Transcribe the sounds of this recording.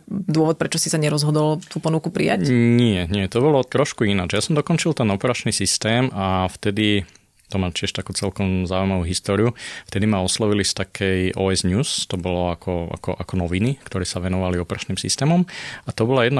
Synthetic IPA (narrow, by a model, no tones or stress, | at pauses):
d̪ʊɔʋɔt̪̚pɾɛt͡ʃɔsisaɲɛɾɔzɦɔd̪ɔlt̪uːpɔnukupɾḭjaɲɪɛɲɪɛt̪ɔbɔlɔt̪ɾɔʃkuinad͡ʒjasɔmd̪ɔkɔnt͡ʃilt̪ɛnɔpɛɾat͡ʃnisist̪ɛːmaft̪ɛd̪i | t̪ɔmat͡ʃɪɛʃt̪akuːt͡sɛlkɔmzaːujmaʋuɦist̪ɔːɾiuft̪ɛd̪imaɔslɔʋilist̪akʰɛjɔɛzɲuːst̪ɔbɔlɔakʰɔa̰kɔ̰ʔakɔnɔʋinikt̪ɔɾɛːsaʋɛnɔʋaliɔpɛɾʔat͡ʃniːmsḭst̪ɛːmɔmat̪ɔbɔlajɛd̪na